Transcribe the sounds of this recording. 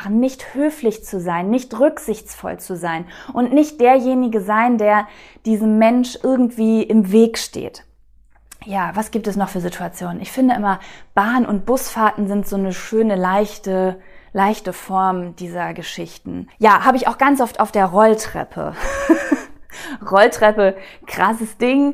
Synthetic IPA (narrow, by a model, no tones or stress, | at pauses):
χn̩nɪçthøːflɪçt͡suzaɪnːɪçtʁʏkz̥ɪçt͡sfɔ̰lt͡suzaɪnʔʊntnɪçt̚d̥eːɐjeːnɪɡəzaɪndeːɐ | d̥iːzəmːɛnʃʔɪɐɡŋ̩tv̥iːʔɪmveːkʃtḛːt | jaːvasɡ̥iːp̚tɛsnɔχfyːɐzitʰuat͡sjoːnənɪçfɪndəʔɪmɐb̥aːnənʊnt̚b̥ʊsfaːtn̩zɪntz̥oːnəʃøːnəlaɪçtəlaɪçtəfɔɐmd̥iːzɐɡəʃɪçtn̩jaːhaːbəɪçaʊxɡ̥ant͡sʔɔfta̰ʊfd̥eːɐʁɔltʁ̥ɛ̰pʰə̰ | ʁɔltʁ̥ɛpəkʁ̥asəsd̥ɪŋ